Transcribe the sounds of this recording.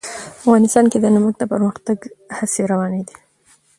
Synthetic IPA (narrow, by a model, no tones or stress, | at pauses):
afɣɑnɪst̪ɑnked̪ənamuɡ̚d̪əpəɾməxt̪aɡhaseɾawɑned̪i